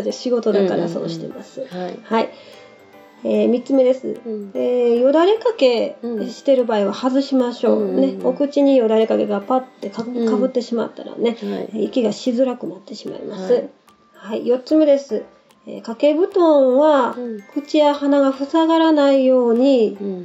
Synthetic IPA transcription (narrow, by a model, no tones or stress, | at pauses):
eɕiɡo̞t̪o̞d̪akaɾa̰so̞̰ːɕi̥t̪e̞̰masɨ̥hai | eːmʲitt͡sɨme̞d̪e̞sɨ̰eːjo̞d̪aɾe̞kake̞ɕi̥t̪e̞ɾɯ̟baːiβahazɨɕimaɕo̞ːne̞okɯ̟t͡ɕiɲ̟ijo̞d̪aɾe̞kake̞ɡapat̪ːe̞kakaβɯ̟t̪ːe̞ɕima̰t̪ːa̰ɾa̰ne̞eikʲiɡaɕizɨɾakɯ̟nat̪ːe̞ɕima̰ḭmasɨ | haijo̞tt͡sɨme̞d̪e̞sɨ | ḛːkake̞bɯ̟t̪õ̞ɰ̃βakɯ̟t͡ɕijahanaɡaɸɯ̟saɡaɾanaijo̞ːɲ̟i